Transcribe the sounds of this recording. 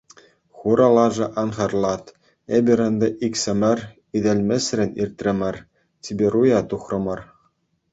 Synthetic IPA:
χuɾɑlˠɑʐɤ̆ʔɑnχɑrlˠɑt̪ | ebʲɘ̆ɾʲɤ̆nd̪ɤ̆ʔikʲsʲɘ̆mʲɘ̆rʲ | id̪ʲɘ̆lʲmʲĕsʲrʲɘ̆nʲirʲt̪ʲrʲɘ̆mʲɘ̆r | tʲibʲeɾujɑt̪uχrɤ̆mɤ̆r

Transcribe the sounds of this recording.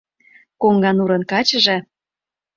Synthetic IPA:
koŋɡɑnuɾə̆nkɑt͡ɕəʒĕ

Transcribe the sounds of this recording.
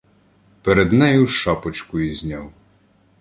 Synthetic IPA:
peɾed̪nɛjʊwʃɑpɔt͡ʃkʊizʲnʲɑw

